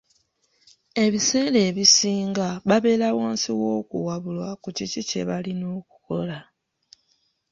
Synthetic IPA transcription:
e̞βise̞ːle̞ːβisiːŋɡaβaβe̞ːlawaːnsiwo̞ːkuwaβulwakucicicḛβalino̞ːku̥ko̞la

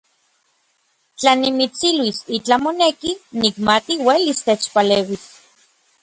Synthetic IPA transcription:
t͡ɬanimit͡silwisit͡ɬamonekinikmat̪iwelist̪et͡ʃpaleːwis

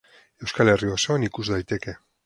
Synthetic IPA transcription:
e̞wskale̞riosoanikuzðajt̪e̞ke̞

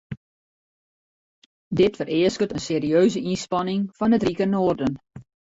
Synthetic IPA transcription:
dɪtfərɪəskətənseːɾiøːzəʔinspɑnɪŋfɑnətrikənoːrdən

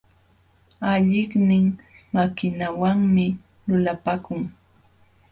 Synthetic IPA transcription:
aʎɪχnɪŋ | makɪnawaŋmɪ | lʊlapakʊŋ

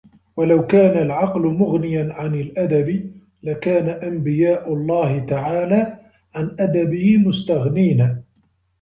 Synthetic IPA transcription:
walawkaːnalʕɑqlʊmʊɣnɪjanʕanɪlʔad̪abɪ | lakaːnaʔambɪjaːʔʊlˤːɑːhɪt̪aʕaːlaː | ʕanʔad̪abɪhɪmʊst̪aɣniːna

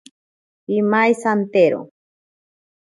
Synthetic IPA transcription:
imajsant̪eɾo̰

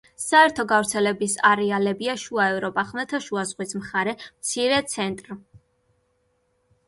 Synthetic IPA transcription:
saɛɾt̪ʰɔɡavɾt̪sʰɛlɛbisaɾɛalɛbiaʃuaɛvɾɔpʼaχmɛt̪ʰaʃuazʁwismχaɾɛmt̪sʰiɾɛt̪sʰɛnt̪ʼɾ

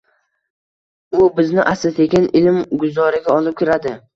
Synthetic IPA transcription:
ʊbɪznɪʔasɪt̪ʰeɡʲanɪlmɡʊzɒɾɪɡʲaɒlˠɪp̚kʲʰɪɾad̪ɪ

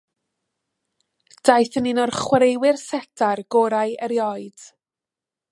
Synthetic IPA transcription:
d̥ajθənɪnɔrχwɾejwɪrsɛtʰarɡ̥ɔɾajəɾjɔɨd̥

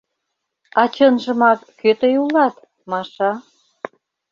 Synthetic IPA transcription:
ɑt͡ɕənʒə̆mɑkːøt̪əjulɑt̪ | mɑʃɑ

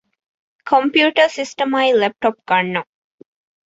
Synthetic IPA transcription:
kʰõmpjuːʈəɾsisʈəmajlɛp̚ʈɔp̚ɡɐɳːõ

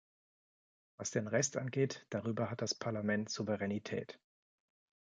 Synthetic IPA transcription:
vasd̥eːnʁɛstʔanɡeːtd̥aʁyːbɐɦat̚d̥aspʰaɐlamɛntz̥uvəʁɛnitʰɛ̰ːt

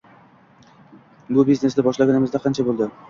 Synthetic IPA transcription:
bʊbizne̞sd̪ɪbɒʃlaɡʲanɪmɪzd̪aqʰɑnt͡ʃʰabolˠd̪ɪ

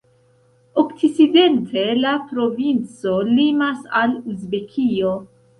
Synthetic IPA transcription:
okt͡sit͡side̞ntʰe̞lapɾo̞vint͡so̞limasaluzbe̞kʰio̞

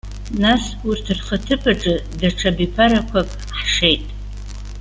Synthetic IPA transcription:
nas | urtʰɨrχatʰɨpʰʼaʈ͡ʂʼɨdaʈ͡ʂʰabipʰaɾakʷʰapʼ | ħʂe̞jtʼ

